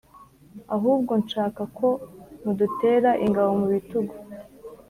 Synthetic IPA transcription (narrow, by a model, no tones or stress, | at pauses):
aɦuːbɡo̞nʃaːkakʰo̞mudute̞ːɾaʔiŋɡawo̞muβituɡu